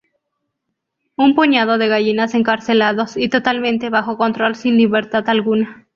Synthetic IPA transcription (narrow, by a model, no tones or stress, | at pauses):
umpoɲað̞o̞ðe̞ɣaʝinase̞ŋkaɾse̞laðo̞sit̪o̞t̪almẽ̞nt̪e̞βaxo̞ko̞nt̪ɾo̞lsinliβe̞ɾt̪aðalɣuna